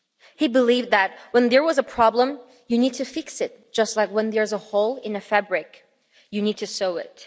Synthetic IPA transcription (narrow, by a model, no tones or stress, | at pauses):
hibəlivdðɨt̚wə̃nðə˞wʌzəpʰɹ̥ɑblə̃m | jɨnid̚tʰɨfɪksɨt̚d̥ʒ̥ʌstˡlaɪkwə̃nðə˞zəhoʊlˠɪ̃nɨfæbɹɪk | jɨnid̚tʰɨsoʊɪ̰t̚